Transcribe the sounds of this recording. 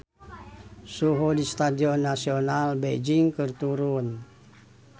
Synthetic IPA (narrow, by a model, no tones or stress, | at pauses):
suɦodist̪adiɔnːasionalbed͡ʒiŋkərt̪uɾun